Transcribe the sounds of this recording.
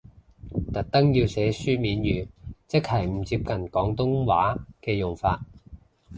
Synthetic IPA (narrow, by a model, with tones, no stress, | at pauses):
t̪ɐ˨˩k̚t̪ɐ˥ŋjiː˧wsɛː˨˥syː˥miː˨˥njyː˨˧t͡sɪ˥k̚hɐ˨˩jm̩˨˩t͡siː˧p̚kɐ˨˩nkɔː˨˥ŋt̪ʊ˥ŋwaː˨˥kɛː˧jʊ˨˩ŋfaː˧t̚